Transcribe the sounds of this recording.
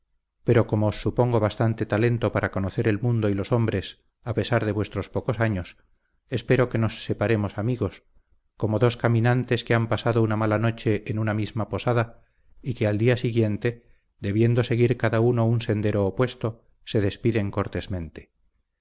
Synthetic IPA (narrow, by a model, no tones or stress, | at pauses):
pe̞ɾo̞ko̞moːsːupo̞ŋɡo̞β̞ast̪ant̪e̞t̪ale̞nt̪o̞paɾako̞noθe̞ɾe̞lmũnd̪oilo̞so̞mbɾe̞s | ape̞saɾðe̞βwest̪ɾo̞spo̞ko̞saɲo̞s | e̞spe̞ɾo̞ke̞no̞sːe̞paɾe̞mo̞samiɣo̞s | ko̞mo̞ðo̞skamĩnãnt̪e̞skeampasaðounamalano̞t͡ʃe̞ʔːnunamizmapo̞saða | ikeald̪iasiɣje̞nt̪e̞ | d̪e̞βje̞nd̪o̞se̞ɣ̞iɾkaðauno̞unse̞nd̪e̞ɾo̞ːpwe̞st̪o̞ | se̞ðe̞spiðe̞ŋko̞ɾt̪e̞zmẽ̞nt̪e̥